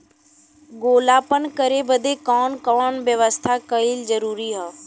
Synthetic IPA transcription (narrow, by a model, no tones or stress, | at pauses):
ɡoːlaːpənkəɾebəd̪ʱekɔːnkɔːnʋjəʋəst̪ʰakəilzəɾuːɾiɦaː